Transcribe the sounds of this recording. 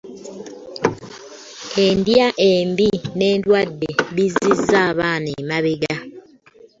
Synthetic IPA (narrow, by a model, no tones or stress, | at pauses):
endjaʔeːmbine̞ːndwadːeβizːizːaːβaːneːmaβeɡa